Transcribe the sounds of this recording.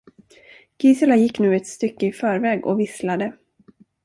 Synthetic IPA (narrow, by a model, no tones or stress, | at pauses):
ɡ̥ɪːsɪlajɪkːnʉ̟ːɛt̪st̪ʏkːəɪfœːɾvɛːɡɔ̰vɪslad̪ə